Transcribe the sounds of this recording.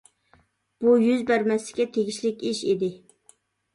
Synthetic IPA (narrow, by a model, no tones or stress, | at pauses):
b̥ujyzbæɾmɛslɪ̥kʲʰɛt̪ʰeɡʲiʃlɪkʲiʃid̪ɪ